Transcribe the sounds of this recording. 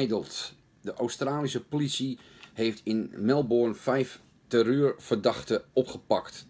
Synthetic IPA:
jdəlˠt | dəʔowstraːlisəpolisi | hejftʰɪnmɛlˠboɹnfɛjf | təryːrfərdɑχtəɔpχəpɑkt

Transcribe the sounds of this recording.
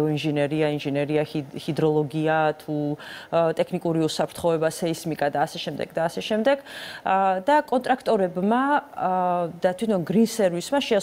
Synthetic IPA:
ɔinʒɛnɛɾiainʒɛnɛɾiahid̪ɾɔlˠɔɡiat̪ʰu | t̪ʼɛkʰnikʼuɾiusapʰɾt̪ʰχɔɛbasɛismikʼad̪aːsɛʃɛmd̪ɛ̰ɡd̪aːsɛʃɛmd̪ɛɡ̥ | d̪akʼɔnt̪ʼɾakʰt̪ʼɔɾɛbma | d̪at̪ʰwit̪ʰɔnɡɾinsɛɾvismaʃɛ

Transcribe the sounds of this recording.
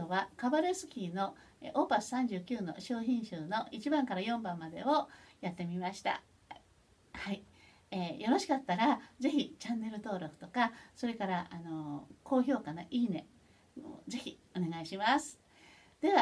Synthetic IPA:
oβakabaɾesɨ̥kʲiːno̞ | ʔoːpasɨ̥sãɲ̟d͡ʑɨːkʲɨːno̞̰ɕo̞ːçĩɰ̃ɕɨːno̞it͡ɕibãŋkaɾajõ̞mbãmːad̪e̞̰ojat̪ːe̞mʲimaɕi̥t̪a̰ | hai | eːjo̞ɾo̞ɕi̥kat̪ːaɾaze̞çit͡ɕãnːe̞ɾɯ̟t̪o̞ːɾo̞kɯ̥t̪o̞kaso̞ɾe̞kaɾaʔano̞ko̞ːçʲo̞ːkanaʔiːne̞ | ze̞çʲi | o̞ne̞ɡaiɕimasɨ̥ | d̪̥e̞βa

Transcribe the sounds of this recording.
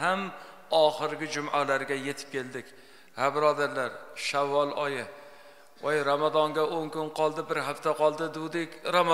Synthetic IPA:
ham | ɒχɪɾɡʲɪd͡ʒʊmʔalaɾɡʲaje̞t̪ʰɪ̥p̚kʲe̞ld̪ɪkʲ | habɪɾɒd̪aɾlaɾʃavːɒlˠɒjɪ | ojɾamad̪ɒŋɡʲaʔoŋkʊnqʰɒlˠd̪ɪbɪɾɦaft̪ʰaqɒlˠd̪ɪd̪ʊd̪ekʲɾam

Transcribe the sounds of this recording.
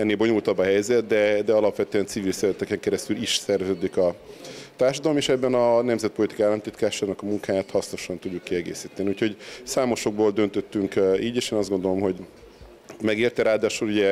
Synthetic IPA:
ɛnːeːbo̞ɲult̪ɒbːɒɦɛjzɛt̪d̪ɛd̪ɛɒlɒpʋɛt̪øɛnsiviːlsɛɾɛt̪ɛkɛŋkɛɾɛst̪yliʃsɛrzøːd̪ikɒt̪aːrʃɒd̪ɒlomeːʃɛbːɛnɒnɛmzɛt̪̚po̞lit̪i̥kalːɒmt̪it̪kaːʃaːnɒkɒmuŋkaːjaːt̪hɒsno̞ʃɒnt̪uɟːukːiɛɡḛːsiːt̪ɛniucho̞ɟsaːmo̞ʃo̞ɡ̚boːld̪ø̞nt̪øt̪ːyŋkiːɟeːʃeːnɒzɡo̞nd̪o̞lo̞mɦo̞ɟ | mɛɡeːrt̪ɛɾaːd̪aːʃuluɟɛ

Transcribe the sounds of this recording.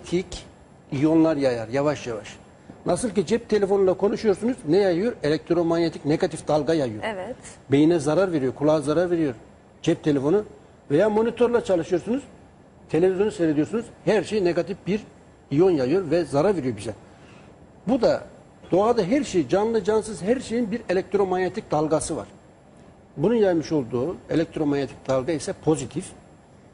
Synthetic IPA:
t̪ʰic | ijonlˠaɾjajaɾjavaʃjavaʃ | nʔasɯlˠcid͡ʒɛp̚t̪ʰe̞lʲe̞fo̞nulˠakʰo̞nuʃujo̞ɾsunuznɛjajɯjo̞ɾelʲɛc̚t̪ʰɾo̞manʲet̪ʰicne̞ɡat̪ifd̪̥alˠɡajajɯjoɾvt̪bejinɛzaɾaɾve̞ɾijo̞ɾkʰulˠaːzaɾaɾve̞ɾijo̞ɾ | d͡ʒɛp̚t̪ʰe̞lʲe̞fo̞nu | vejaːmo̞nit̪ʰo̞ɾlˠat͡ʃʰalˠɯʃɯjo̞ɾsunuz | t̪ʰe̞lʲe̞vizjo̞nusøjɾed̪ijoɾsunuz̥hæɾʃe̞jine̞ɡat̪ʰifbiɾ | ijo̞njajɯjo̞ɾvɛzaɾaɾve̞ɾijo̞ɾbizɛ | bud̪a | d̪o̞ad̪aɦæɾʃejid͡ʒanlˠɯd͡ʒansɯzhæɾʃe̞jinbiɾe̞lʲɛk̚t̪ʰɾo̞manet̪ʰic̚d̪alˠɡasɯva̰ɾ̥ | bununjajmɯʃo̞lˠd̪uːe̞lʲɛk̚t̪ʰɾo̞manʲet̪ʰi̥c̚d̪̥alˠɡaisɛpʰo̞zit̪ʰif

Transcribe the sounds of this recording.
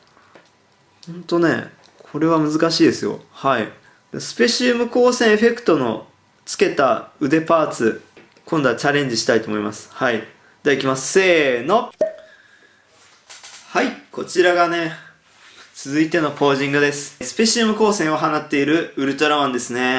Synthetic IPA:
hõnt̪o̞ne̞̰ | kʰo̞ɾe̞β̞amɯ̟zɨkaɕiːd̪e̞sɨjo̞̰hai | d̪̥esɨ̥pe̞ɕiɯmɯ̟ko̞ːsẽ̞ɰ̃eɸe̞kɯ̟̥t̪o̞no̞̰ | t͡sɨ̥ke̞t̪aɯ̟d̪e̞paːt͡sɨ | kõ̞nd̪ot͡ɕaɾẽ̞ɲ̟d͡ʑiɕi̥t̪ait̪oːmo̞imasɨ̥hai | d̪̥aikʲimasɨ̥se̞ːno̞ | haiko̞t͡ɕiɾaɡane̞ | t͡sɨzɨit̪e̞no̞po̞ːʑĩŋɡɯd̪e̞sɨ̥sɨ̥pe̞ɕiɯmɯ̟ko̞ːsẽ̞ɰ̃oɦanat̪ːe̞iɾɯ̟ɯ̟ɾɯ̟t̪oɾaβãnd̪e̞sɨne̞

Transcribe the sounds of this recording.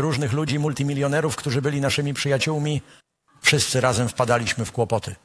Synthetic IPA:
ɾuʐnɘxlud͡ʑimult̪ʲimʲilʲjɔnɛɾufkt̪uʐɘbɘlʲinaʂɘmʲipʂɘjat͡ɕuwmʲi | fʂɘst̪sɘɾazɛmfpad̪alʲiɕmɘfkwɔpɔt̪ɘ

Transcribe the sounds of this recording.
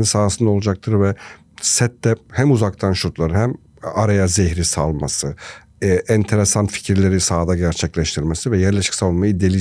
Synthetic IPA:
insaːsɯnd̪aolˠud͡ʒak̚t̪ʰɯɾvɛ | sɛt̪ːɛhæmuzakt̪ʰanʃuɾt̪lˠaɾɯɦæm | aɾajazeçɾisalˠmasɯ | ʔɛnt̪ʰe̞ɾesanfi̥cʰiɾlʲe̞ɾisaːd̪aɟæɾt͡ʃʰɛclʲɛʃt̪ʰiɾmesivɛjæɾlʲeʃi̥cʲsavunmajɯd̪elʲi

